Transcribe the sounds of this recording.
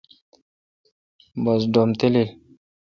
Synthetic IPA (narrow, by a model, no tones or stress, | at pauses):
bʌs̬ɖomt̪elil